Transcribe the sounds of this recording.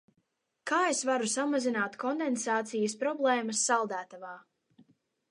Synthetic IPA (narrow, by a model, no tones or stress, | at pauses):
kaːesvaɾusamazinaːt̪kʰɔnd̪ensaːt̪sijɐspɾɔblˠɛːmasːalˠd̪æːt̪avaː